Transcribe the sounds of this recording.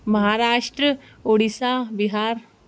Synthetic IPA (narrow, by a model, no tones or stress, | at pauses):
mɐɦaːɾaːʃʈɾə | oːɽisaːbɪɦaːɾ